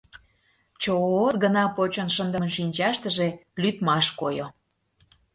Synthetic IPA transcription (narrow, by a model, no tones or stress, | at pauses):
t͡ɕoot̪ɡənɑpot͡ɕonʃənd̪əmə̆nʃinʲt͡ɕɑʃt̪əʒelyt̪mɑʃkojo